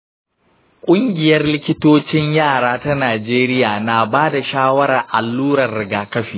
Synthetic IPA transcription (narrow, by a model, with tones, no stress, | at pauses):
kʷʼʊ˦ŋɡʲɪ˨jɐ˦rlɪ˦kʲɪ˦toː˦t͡ʃɪ˦ɲjaː˦˨ɽaː˦ta˦naː˨d͡ʒeː˦ɾɪ˦jaː˨na˨baː˦da˨ʃaː˦wɐ˦ɾa˨ʔa˨lːuː˦ɽɐ˨rːɪ˨ɡaː˨kɐ˦ɸiː˨